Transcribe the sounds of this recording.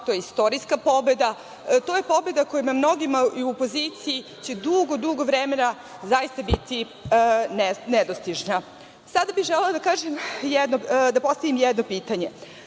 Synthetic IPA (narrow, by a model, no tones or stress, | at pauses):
t̪ojeist̪o̞ɾiskapo̞be̞d̪a | t̪oje̞po̞be̞d̪akojumamno̞ɡimaiuopo̞ziːt̪siji | t͡ɕe̞d̪uɡod̪uɡo̞ʋɾemena | zajist̪abit̪i | nened̪ost̪iʒna | sad̪abixʒɛlelad̪akaːʒemjɛd̪nod̪apo̞st̪aʋimjɛd̪no̞piːt̪aɲe̞